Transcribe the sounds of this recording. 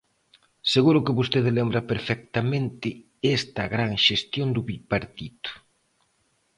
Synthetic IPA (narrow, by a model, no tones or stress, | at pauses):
seɣuɾʊkɪβost̪eðɪlembɾɐpeɾfɛk̚t̪amẽnt̪ɪ | ɛst̪ɐɣɾaŋʃest̪jond̪ʊβipaɾt̪it̪ʊ̥